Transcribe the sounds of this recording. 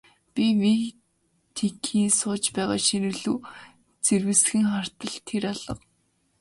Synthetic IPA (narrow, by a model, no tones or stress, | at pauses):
pʲimi | t̪ʰekʰiːnsʊːt͡ɕpæːʁa̰ːʃinɘ̆ɮuː | t͡serwɘ̆sxɘ̆ŋχar̥t̪ə̆ɮt̪ʰːeɾaɮə̆q